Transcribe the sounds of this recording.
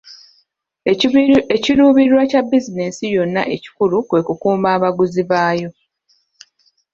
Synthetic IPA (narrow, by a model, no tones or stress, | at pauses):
eciɾuːβiɾwacabːizinesijo̞nːa̰ʔe̞ci̥kulukwe̞ːkukuːmbaːβaɡuziβaːjo̞